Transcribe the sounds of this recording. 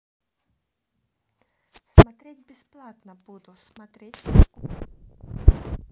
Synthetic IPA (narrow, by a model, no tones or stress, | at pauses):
smat̪ʲɾʲit̪̚ʲbʲɪsplˠaːt̪nɐbuːd̪ʊsmat̪ʲɾʲiːt̪ʲi